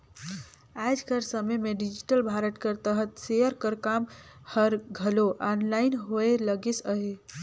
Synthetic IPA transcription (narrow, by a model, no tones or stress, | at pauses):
ajd͡ʒkəɾsəməjmeɖid͡ʒiʈəlbʱaɾəʈkəɾt̪əɦət̪seəɾkəɾkamhəɾɡʱəloʔanlainɦoeləɡesəɦe